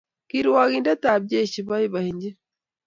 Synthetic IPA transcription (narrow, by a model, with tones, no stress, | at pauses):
ki˦ɾwa˨ɣinda˦taː˨bɟe˦ʃi˨βa˦ji˦βa˨hiɲɟi˦